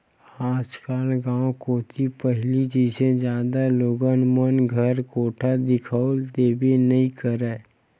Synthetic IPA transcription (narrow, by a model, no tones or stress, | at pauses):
aːt͡ʃkaːlɡãːwkoːt̪ʰipəɦɪlid͡ʒised͡ʒjaːd̪aloːɡənmənɡʱəɾkoːʈʰad̪ɪkʰəld̪eːbinəɦĩkəɾɛː